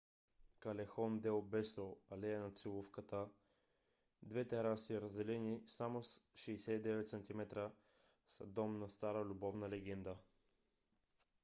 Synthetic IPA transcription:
kɐlɛxɔnd̪ɛlˠbɛsoɐlɛɛnɐt̪silˠufkət̪ə | d̪vɛt̪ɛɾasiɾɐzd̪ɛlɛnisamosʃɛjsɛid̪ɛvɛt̪sɐnt̪imɛt̪ɾə | sɐd̪ɔmnɐst̪aɾəlʲubɔvnəlɛɡɛnd̪ə

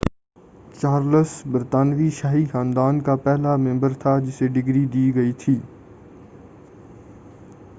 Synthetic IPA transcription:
t͡ʃaːɾləsbəɾt̪aːnʋiʃaːɦixãːnd̪aːnkapɛɦlamɛ̃mbəɾt̪ʰad͡ʒɪseɖɪɡɾid̪iːɡɐit̪ʰiː

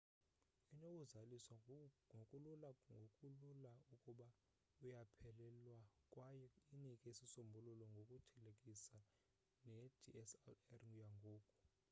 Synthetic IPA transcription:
ɛnowuzalisaŋʱokʼululaŋɡʱokʼululaukʼuɓa | ujapʰɛlɛlwakʼwajɔinikʼɛisisombʱululɔŋɡʱokʼutʰɛlekʼisa | nɛd̥ʰʱiɛslɛrŋujaŋɡʱoːkʼu̥

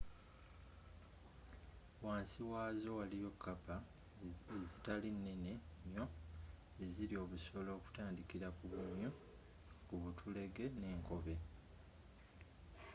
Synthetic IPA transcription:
waːnsiwaːzo̞walijo̞kʰːapa | ezitalinːene̞ɲo̞ | eziɾio̞βuso̞lo̞ːku̥taːndikiɾakuβuɲju | kuβutʰule̞ɡe̞ne̞ːŋko̞βe̞

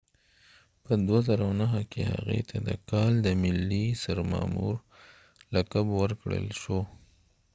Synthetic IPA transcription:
pəd̪wazəɾawnaɦakeha̰ɣḛt̪ʰad̪əkɑld̪əmɪlːisaɾmɑ̰muɾ | lakabwəɾkɽə̰lʃo

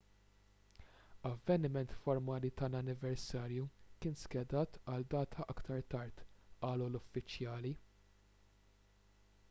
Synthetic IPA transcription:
ɐvːɛnɪmɛnt̪fɔɾmɐːlit̪ɐlɐnːɪvɛɾsɐːɾjukɪːnskɛd̪ɐːt̪ʰɐld̪ɐːt̪ʰɐʔɐkt̪ʰɐɾt̪ɐɾt̪ɐːlulʊfːɪt͡ʃjɐːli

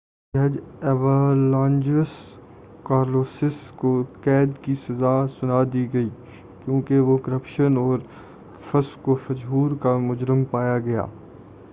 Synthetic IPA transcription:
əd͡ʒɛʋəlãːnd͡ʒəs | kaːɾloːsɪskokɛːd̪kisɐzaːsʊnad̪iːɡɐiː | kjõːkeʋokəɾəpʃənɔːɾ | fʰəskofɐd͡ʒɦuːɾkamʊd͡ʒɾəmpaːjaɡɐja̰ː

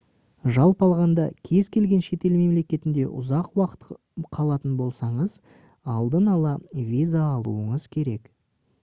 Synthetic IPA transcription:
ʒɑlˠpɑlˠʁɑnd̪ɑkʲʰe̞zkʲʰe̞lɡʲe̞nʃe̞t̪e̞lme̞mle̞kʲe̞t̪ɪnd̪e̞̰ʔʊ̰zɑqwɑqə̥t̪ | qʰɑlˠɑt̪ənbo̞lˠsɑɴəz | ɑlˠd̪ənɑlˠɑvʲijzaːlˠuəɴəzkʲʰe̞ɾe̞k

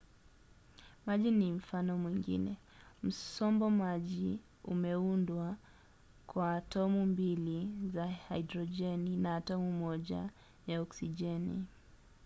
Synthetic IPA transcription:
maʄinim̩fanɔmwiŋɡḭnɛ | m̩sɔmbɔmaʄi | ṵmɛundwa | kwaːtɔmumbilizahajdɾɔd͡ʒɛninaːtɔmumɔʄa̰ | jaɔksid͡ʒɛnḭ

